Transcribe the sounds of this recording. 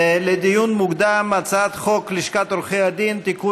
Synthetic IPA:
led̪ijunmukd̪amːat͡sat̪χokliʃkat̪ɾoχejad̪int̪iku

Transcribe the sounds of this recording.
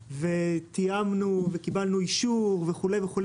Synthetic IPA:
vet̪iamnuvekibalnuiʃuʁveχule̞jveχul

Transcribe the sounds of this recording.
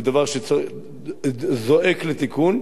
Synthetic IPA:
d̪avaʁʃeo | zo̞ʔeklet̪ikun

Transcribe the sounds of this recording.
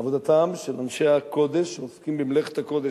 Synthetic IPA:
avod̪at̪amʃelanʃeakʰod̪eʃeoskimbimleχet̪hakod̪e

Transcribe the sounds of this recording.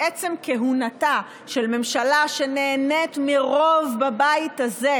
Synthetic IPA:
et͡semkeɦunata | ʃelme̞mʃalaʃene̞ːnetmiʁo̞vbabaitaze

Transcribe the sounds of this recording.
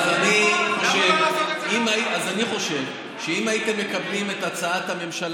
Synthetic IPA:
zanioʃevimaiazaniχo̞ʃe̞v | ʃeimaite̞mːe̞kablime̞tat͡saathame̞mʃal

